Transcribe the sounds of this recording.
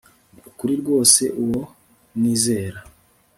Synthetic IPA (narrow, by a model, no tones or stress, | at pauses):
ukuɾiɾɡwo̞ːse̞ʔuwo̞ | niːze̞ːɾa